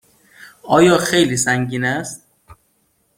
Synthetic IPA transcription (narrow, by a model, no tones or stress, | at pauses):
ɒːjɒːxejliːsæŋɟiːnæst̪̚